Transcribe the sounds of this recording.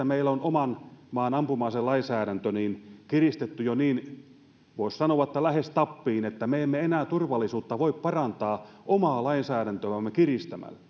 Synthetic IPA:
æmeilːonomɑnmɑːnɑmpumɑselɑinsæːɾænt̪øniːnkirist̪et̪ːyjoniːn | ʋoˑissɑnoʋɑĕt̪ːælæhest̪ɑpːiːnet̪ːæmeemːeenæːt̪urʋɑlːˑisuːt̪ːɑʋoippɑrɑnt̪ɑːʔomɑːlɑinsæːɾænt̪øʋæmːekirist̪æmæ̰lːæ

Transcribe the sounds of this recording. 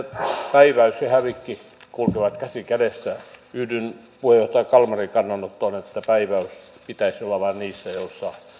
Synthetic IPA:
pæiʋæysehæʋikːi | kulkeʋɑt̪kæsikædesːæyhdyn | puhejoht̪ɑjɑkɑlmɑrikɑnːɑnot̪ːonet̪ːæpæiʋæys | pit̪æisolːɑʋɑnniːsːæjosːɑ̥

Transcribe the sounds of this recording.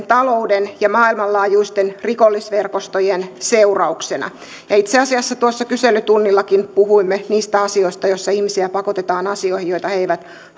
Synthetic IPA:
nt̪ɑloudenjɑmɑːilmɑllɑːjuist̪enrikolːisʋerkost̪ojenseurɑuksenɑ̰ | jɑit̪seɑsiɑsːɑt̪uosːɑkyselːyt̪unːilːɑkinpuhuimːeniːst̪æɑsioist̪ɑjosːɑihmisiæpɑkot̪et̪ɑːnɑsioihijoit̪ɑheiʋæt̪

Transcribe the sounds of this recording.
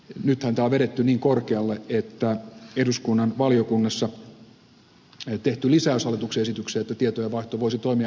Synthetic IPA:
nyt̪hænt̪æːʋeɾet̪ːyniːŋkorkeɑlːeet̪ːæeduskunːɑnʋɑlijokunːɑsːɑ | t̪eht̪ylisæˑøsɑlet̪ukseesit̪ykseːet̪ːæt̪iet̪ojeʋɑiht̪oʋoisit̪oimiɑ

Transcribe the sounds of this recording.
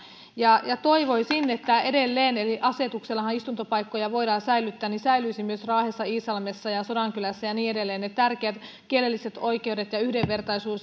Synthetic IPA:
jɑjɑt̪o̞iʋo̞isinːet̪ːæedelːeːneliʔɑse̞t̪ukselːɑhɑnist̪unt̪opɑikːojɑʋo̞idɑːnsæilyt̪ːæːnnisæilyisimyøsrɑːhesːɑiːsɑlmesːɑjɑso̞dɑŋkylæsːæjɑniːedelːeːnnet̪ːærkeæt̪ | kielelːiset̪o̞ike̞udet̪jɑyhdeʋːe̞rt̪ɑisuːs

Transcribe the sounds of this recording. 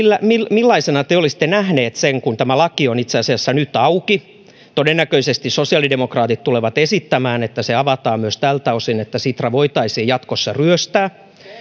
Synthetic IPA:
ilːæmilmilːɑisenɑt̪eolisi̥t̪ːenæhneːt̪seŋkunt̪æmælɑkionit̪seɑsiɑsːænyt̪ɑuki | t̪odenːækøisest̪isosiɑˑlidemokrɑːt̪it̪t̪uleʋɑt̪esit̪ːæmæːnet̪ːæseɑʋɑt̪ɑːmyøst̪ælt̪æosinet̪ːæsit̪rɑʋoit̪ɑisiːjɑt̪kosːɑryøst̪æː

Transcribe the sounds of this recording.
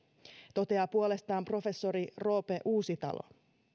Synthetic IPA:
t̪o̞t̪e̞ɑpuole̞st̪ɑːmpro̞fe̞sːo̞ɾiro̞ːpe̞ʔuːsit̪ɑ̰lʔo̰

